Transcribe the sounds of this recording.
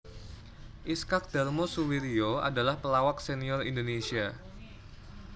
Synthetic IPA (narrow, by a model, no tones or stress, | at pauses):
ʔiskak̚d̥armosuwiɾioa̰dalahpəlawak̚seniɔrḭndonesia